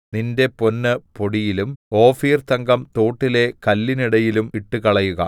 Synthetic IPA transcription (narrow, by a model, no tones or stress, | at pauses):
ninde̞po̞nːɨpo̞ɽijilumo̞ːfiːrt̪ɐŋɡɐmt̪oːʈːile̞kɐlːiniɽɐjilumiʈːukɐɭɐjuɣɐ̰